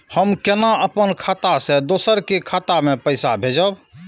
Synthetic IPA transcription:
həmkenaəpənkʰaːt̪ased̪oːsəɾkekʰaːt̪amẽpəɪsabʱed͡ʒəb

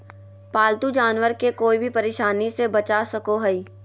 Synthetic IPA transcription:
paːlt̪ud͡ʒaːnwəɾkekoːibʱipɐɾeːʃaːnisebɐt͡ʃasɐkoɦɐiː

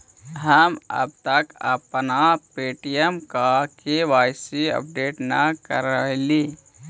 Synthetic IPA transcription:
ɦəmə̰b̚t̪əkə̰pnapeːʈijəmkakeʋaːsiə̰p̚ɖeːʈnəkəɾəli

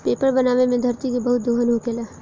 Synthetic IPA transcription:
peːpəɾbɐnaːʋemẽd̪ʱɐɾt̪ikebɐɦʊt̪̚d̪oːɦənɦukelaː

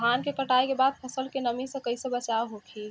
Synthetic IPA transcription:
ankekəʈaekebad̪̚pʰəsəlkenəmisə̃kəɪsə̃bət͡ʃaoɦokʰi

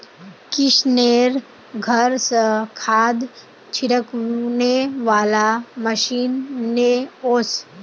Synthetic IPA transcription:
kɪʃneːɾ | ɡʱəɾsəkʰaːd̪ | t͡ʃʰɪɾəkneʋaːlaməʃiːnːeoːs

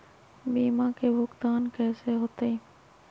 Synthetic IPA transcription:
bimakebʱokt̪ankɛʃeɦot̪ej

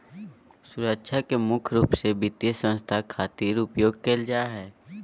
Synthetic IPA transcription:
sʊɾəkʃʰakemʊkʰɾuːpsebɪt̪jesə̃nst̪ʰakʰaːt̪iːɾʊpjoːɡ̚keld͡ʒaːɦɛː

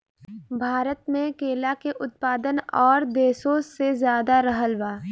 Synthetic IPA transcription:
bʱaːɾət̪mẽkeːlakeʔʊt̪̚paːd̪ənɔːɾd̪eːsoːzːezjaːd̪aɾəɦəlʋaː

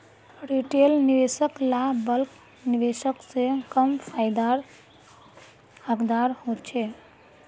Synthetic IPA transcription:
ɾiʈelniʋesəklabəlk | niʋeʃəksekəmfajd̪aɾ | əkd̪aɾɦot͡ʃʰe

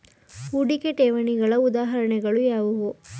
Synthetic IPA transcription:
uɽikeʈeːʋɐniɡɐɭɐud̪aːɦɐɾɐɳɛɡɐɭujaːʋɐʋu

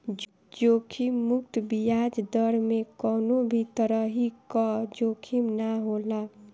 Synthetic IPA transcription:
d͡ʒoːkʰimːʊk̚t̪bijad͡ʒd̪əɾmẽkɔːnobʱit̪əɾəɦikɔd͡ʒoːkʰimnaɦola

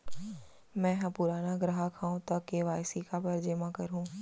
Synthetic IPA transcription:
mɛ̃ːɦɐ̃pʊɾaːnaɡɾəɦakʰãːũt̪ɐkːeʋaːjsikapɐɾd͡ʒeːmãkɐɾɦũː

